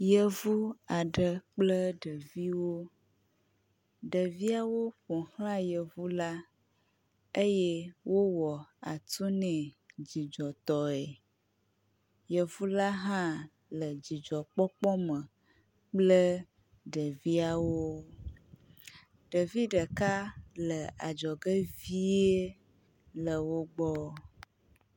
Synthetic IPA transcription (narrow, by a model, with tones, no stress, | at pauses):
jə˦˨vu˦a˨ɖə˨k͡plə˦ɖə˨vi˦wo˦ | ɖə˨vi˦a˦wo˦ɸõ˨hl̃ã˦jə˨vu˦la˦ | e˦je˦wo˦wɔ˨a˨t̪u˦nɛ̃˨d͡ʑi˨d͡ʒɔ˨t̪ɔ˨ɛ˨ | jə˨vu˦la˦ɦã˦ | lə˨d͡ʑi˨d͡ʒɔ˨k͡pɔ˦k͡pɔ˦mə̃˨ | k͡plə˦ | ɖə˨vi˦a˨wo˦ | ɖ̥ə˨vi˦ɖə˨ka˦lə˨a̰˨d͡ʒɔ˨ɡə˦vi˦e˦ | lə˨wo˦ɡ͡bɔ˦